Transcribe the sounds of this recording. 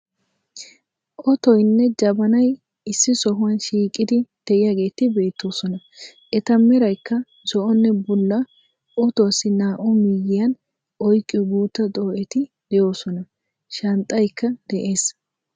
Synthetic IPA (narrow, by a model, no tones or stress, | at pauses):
ʔɔt̪ɔjnːɛd͡ʒɐbɐnɐj | ɪsːɪsɔɦʊwɐnʃiːkʼɪd̪ɪd̪̥ɛʔɪjaɡe̞ːt̪ɪbe̞ːt̪ːo̞ːsɔnɐ | ʔɛt̪ɐmɛɾɐjkːɐ | zɔʔɔnːɛbʊlːɐ | ʔɔt̪ɔsːɪnaːʔɔmijɪjɐn | ʔɔjkʼːɪbuːt̪ːɐt̪ʼo̞ːʔɛt̪ɪ | d̪̥ɛjo̞ːsɔnɐ | ʃɐnt̪ʼːɐjkːɐd̪̥ɛʔe̞ːs